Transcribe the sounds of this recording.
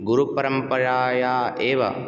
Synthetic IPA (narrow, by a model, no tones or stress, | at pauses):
ɡuɾupɐɾɐmpɐɾaːjaːeːʋɐ̰